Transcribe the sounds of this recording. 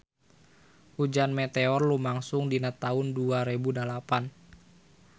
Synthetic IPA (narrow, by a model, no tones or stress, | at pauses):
hud͡ʒanmet̪eɔrlumaŋsʊŋdinat̪aʊnduaɾebudalapan